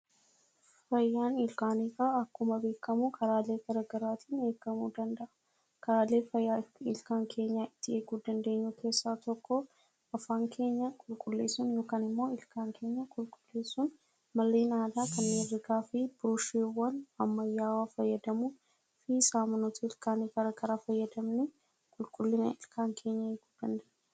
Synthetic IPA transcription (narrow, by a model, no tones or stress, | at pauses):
fɐjːaːnɪlkaːniːkaɐkːʊmɐbe̞ːkːɐmukʰʼɐɾaːle̞ːɡ̥ɐɾɐɡɐɾaːt̪ʰiːne̞ːɡɐmuːd̪ɐnd̪ɐʔɐ̥ | kɐɾaːle̞ːfɐjːaɪlkaːŋkʰe̞ːɲːaːɪt̪ːɪeːkuːd̪ɐnd̪e̞ːɲːukʰe̞ːsːaːt̪ɔkːɔ | ɐfaːŋkʰe̞ːɲːɐkʼʊlkʼʊlːe̞ːsʊnjo̞ːkaːnɪmːo̞ːɪlkaːŋke̞ːɲːɐkʼʊlkʼʊ̥lːe̞ːsːʊn | mɐlːeːnaːd̪aːkɐnmerːɪɡaːfɪb̥ɾuʃewːɐnɐmːɐjːaːwaːfɐjːɐd̪ɐmuː | fisaːmɐnot̪ʰɐɪlkaːniɡɐɾɐɡɐɾaːfɐjːɐd̪ɐmnɛ | kʼʊlkʼʊlːɪnɐʔɪlkʰaːŋkʰe̞ːɲːɐeːku̥ːd̪̥ɐnd̪eːɲː